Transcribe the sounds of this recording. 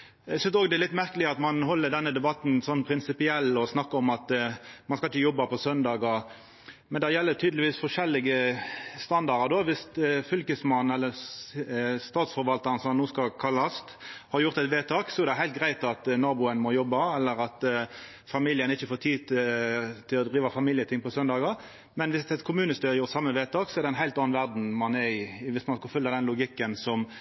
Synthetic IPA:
æɪsʏnst̪oːɡd̪ɛlɪt̪ːmæʁkəlɪəɑt̪mɑnɦɔlːəd̪ɛnːəd̪ɛbɑt̪n̩sɔnːpʰɾɪnsɪpɪɛlːɔsnɑkːəɔmɑt̪mɑnskɑɪçəjɔbːɑpɔsœnd̪ɑːɡɑ | mɛnd̪ɛjɛlːət̪ʰyːd̪lɪʋiːsfɔʂɛlːɪɡəst̪ɑnd̪ɑɾəd̪oːʋɪst̪fʏlkəsmɑnːɛlːəɾ | st̪ɑːt̪sfɔɾʋɑlt̪ɑɾnsɔmɑnːuːskɑlkʰɑlːɑst̪hɑɾjʊʁt̪ɛɪt̪ʋeːt̪ʰɑːksɔɛʁd̪ɛɦæɪlt̪ɡʁæɪt̪ɑt̪nɑːbʊənmɔjɔbːɑɛlːəɾɑt̪ | fɑmiljənɪçːəfoːt̪ʰiː | t̪ʰɪlɔd̪ʁiːʋɑfɑmiːljət̪ʰɪŋpɔsœnd̪ɑːɡəɾ | mɛnʋɪsɛt̪kʰʊmʉːnəst̪yːɾəjʊʁt̪sɑmːəʋeːt̪ʰɑːksɔɛɾd̪ɛɪnɦæɪt̪ɑːnnʋæʁd̪n̩mɑnɛɪʋɪsmɑnskɑfʏlːɑd̪ɛnlʊɡɪkːənsɔm

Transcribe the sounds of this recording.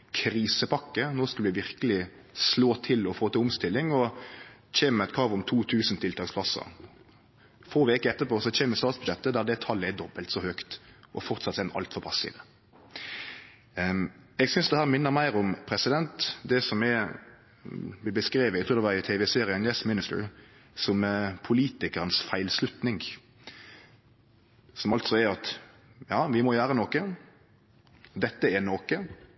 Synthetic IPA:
kʰɾiːsəpʰɑkːənoːskɑlʋɪʋɪɾkəlɪ | sloːt̪ʰɪlɔfoːt̪ɪlʊmst̪ɪlːɪŋɔ | t͡ʃeːməmɛt̪kʰɾɑːʋʊmt̪ʰuːt̪ʰʉːsn̩t̪ʰɪlt̪ʰɑːkspʰlɑsə̰ɾ | foːʋeːkəɛt̪ːəɾpʰoːsɔt͡ʃʰɛːməst̪ɑːt̪sbʉ̥ʃɛt̪ːəd̪æɾd̪ɛt̪ʰɑlːəɛd̪ɔbːəlt̪sɔhøːkt̪ʔɔ̰fɔɾt̪sɑt̪sɛnʔɑ̰lt̪fɔɾpʰɑsɪ̰ʋə | ɛɡsʏnsd̪ɛhæːʁɾmɪnːəɾmæɪɾɔmpʰɾɛsɪd̪ɛnt̪d̪ɛsɔmɛ | bɪbəskɾeːʋəæɪkt̪ʰuːd̪ɛʋɑɾɪt̪ʰeːʋɛseːɾɪənjɛsmɪnɪst̪ə̰ɾ | sɔmpʰʊliːt̪ɪkəʁənsfæɪlslʉt̪nɪŋ | sɔmɑlt̪sɔɛɾɑt̪ | jɑːʋɪmɔjæːɾənɔkə | d̪ɛt̪ːəɛnoːkə

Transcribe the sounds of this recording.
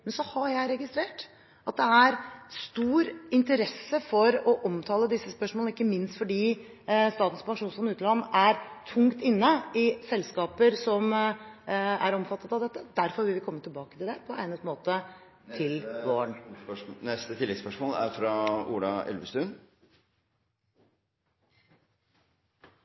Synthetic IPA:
mɛnsɔhɑɾjæɪɾɛɡɪst̪ɾeːʈ | ʔɑt̪̚d̪ɛæɾst̪uːɾɪnt̪əɾɛsːəfɔɾɔʔɔmt̪ʰɑːləd̪ɪsːəspœʂmɔlnɪkːəmɪnst̪fɔɖiː | st̪ɑːt̪n̩spʰɑŋʂuːnsfɔnʉːt̪əlɑnːæɾt̪ʰʊŋkt̪ɪnːəɪsɛlːskɑːpəɾsɔm | æɾɔmfɑt̪ːət̪ɑʋd̪ɛt̪ːəd̪æɾfɔɾʋɪlʋɪkʰɔmːət̪ʰɪlbɑːkət̪ʰɪld̪ɛpʰɔæ̰ɪnət̪moːt̪ə | t̪ʰɪlʋoːɳnɛst̪ət̪ʰɪlːɛspœʂmoːlæ̰ɾfɾɑṵːɖɑ̰ʔɛ̰lʋəst̪ʉːn

